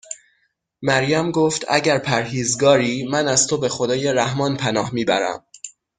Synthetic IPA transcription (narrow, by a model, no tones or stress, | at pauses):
mæɾjæmɡoːft̪æ̰ɟæɾpʰæɾɦiːzɡɒːɾiːmænæzt̪ʰobe̞xo̞d̪ɒːje̞ɾæhmɒːnpʰænɒːhmiːbæ̰ɾæ̰m